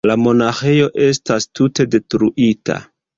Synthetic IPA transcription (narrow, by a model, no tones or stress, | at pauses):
lamo̞naxe̞jo̞ʔe̞stastute̞de̞tɾuʔitʰa̰